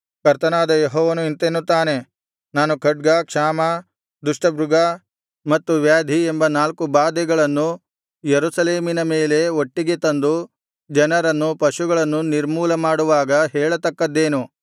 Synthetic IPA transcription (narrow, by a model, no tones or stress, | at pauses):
kɐɾt̪ɐnaːd̪ɐjeɦɔːʋɐnuint̪enːut̪ːaːne̞ | naːnukʰɐɖ̚ɡakʂaːmɐ | d̪uʂʈɐbɾuɡa | mɐt̪ːuʋjaːd̪ʱiembɐnaːlkubaːd̪ɛɡɐɭɐnːu | jeɾusɐleːminɐmeːle̞oʈːiɡe̞t̪ɐnd̪u | d͡ʒɐnɐɾɐnːupɐʃuɡɐɭɐnːuniɾmuːlɐmaːɽuʋaːɡɐɦɛːɭɐt̪ɐkːɐd̪ːe̞ːnu